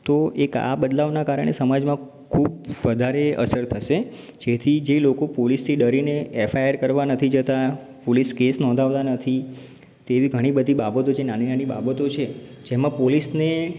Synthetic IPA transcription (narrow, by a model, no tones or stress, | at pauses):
t̪oeka̰bəd̪laʋnakaɾə̰ɳ̃ḛsəmad͡ʒmã | kʰubʋəd̪ʱaɾeə̰səɾt̪ʰəʃe | d͡ʒet̪ʰid͡ʒelokopolist̪ʰiɖəɾineɛfʰajəɾkəɾʋanət̪ʰid͡ʒət̪a | poliskesnɔ̃nd̪ʱaʋt̪anət̪ʰi | t̪eʋiɡʱəɽ̃ibəd̪ʱibabət̪ot͡ʃʰenaninaniba̰bət̪ot͡ʃʰe | d͡ʒemãpolisne